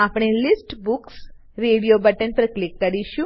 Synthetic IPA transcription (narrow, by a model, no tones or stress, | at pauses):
apɽ̃elisʈbuks | ɾeɽijobəʈənpəɾklikːəɾiʃũ